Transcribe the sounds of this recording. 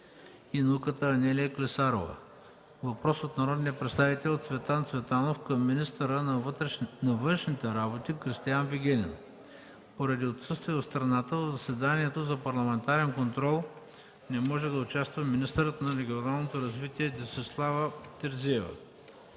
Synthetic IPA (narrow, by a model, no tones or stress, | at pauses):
inɐukət̪əːnʲɛlʲijəklɛsaɾo̰və̰ | vɐpɾɔsot̪nɐɾɔd̪nijəpɾɛt̪st̪avit̪ɛlʲot̪svɛt̪ant̪svɛt̪anofkɐmːinist̪əɾənnɐvənʃnit̪ɛɾabot̪ikɾist̪ijanviɡʲɛnʲɛ̰n | poɾɐd̪iot̪sɤst̪viɛot̪st̪ɾɐnat̪əvəzɐsɛd̪aniɛt̪ozɐpɐɾlˠɐmɛnt̪aɾɛnkont̪ɾɔlˠ | nɛmɔʒɛd̪ɐʊt͡ʃast̪vəminist̪əɾət̪nɐɾɛɡʲionalˠnot̪oɾɐzvit̪iɛd̪isɛslˠavət̪ɛɾziɛvə̰